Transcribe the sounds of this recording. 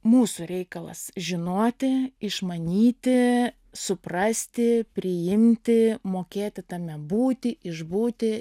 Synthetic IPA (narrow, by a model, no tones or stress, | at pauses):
muːsʊɾʲɛɪkɐlˠɐ̰sʒʲɪnoɔt̪ʲɪɪʃmɐnʲiːt̪ʲɪ | sʊprɑːsʲt̪ʲɪpʲɾʲɪjɪmʲt̪ʲɪmoːkʲeːt̪ʲɪt̪ɑːmʲɛbuːt̪ʲɪʔɪʒbuːt̪ʲɪ